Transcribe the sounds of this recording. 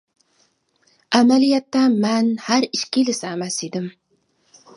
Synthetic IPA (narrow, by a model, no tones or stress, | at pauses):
ʔæmælijɛt̪ːɛmɛnhæɾiʃkʲilɪsɪæmæsid̪ɪm